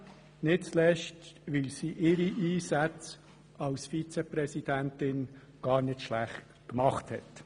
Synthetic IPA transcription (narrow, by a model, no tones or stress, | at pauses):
nɪtslɛʃtʋɪlsiːʔɪɾiʔiːsæt͡s | ɑʊsfit͡sɛpɾɛsid̥æntɪn | ɡ̥ɑːɾnɪtʃlæχt | kmɑχthɛ̰t̪